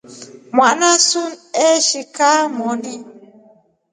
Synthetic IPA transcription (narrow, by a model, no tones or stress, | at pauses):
mwaʔnasuneʃikamɔni